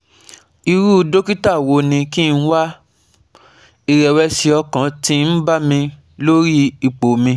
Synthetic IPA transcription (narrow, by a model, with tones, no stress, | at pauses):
i˧ɾu˦˧do˦ki˦ta˦˨wo˧˦nĩ˧ki˦˧n̩˦wa˦ | i˧ɾɛ˨wɛ˧si˧ɔ˧kã˨ti˦n̩˦ba˦mĩ˧ | lo˦ɾi˦i˨k͡po˨mĩ˧